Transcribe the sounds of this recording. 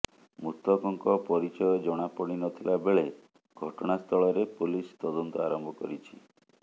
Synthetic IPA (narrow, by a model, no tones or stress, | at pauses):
mut̪ːɔkɔŋkɔpɔɾit͡ʃɔjɔd͡ʒɔɽ̃apɔɽ̃inɔt̪ʰilabeɭe | ɡʱɔʈɔɽ̃ast̪ʰɔɭɔɾepulist̪ɔd̪ɔnt̪ɔaɾɔmbʱɔkɔɾit͡ʃʰi